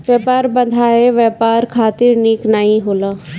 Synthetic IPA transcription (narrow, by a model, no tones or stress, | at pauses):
ʋjəːpaːɾbə̃nd̪ʱaːeʋɛːpaːɾkʰaːt̪ɪɾniːknaːĩɦoːlaː